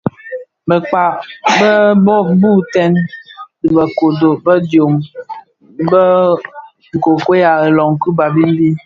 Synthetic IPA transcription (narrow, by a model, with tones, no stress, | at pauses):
bə˨k͡pa˨bə˦bɔ˦bu˦tɛ˦ndi˨bə˨ko˨do˨bə˦djo˨m | bə˦ | ŋ̩˨ko˨ke˦ja˨e˨lɔ˨ŋku˦ba˨bi˦n˦bi˦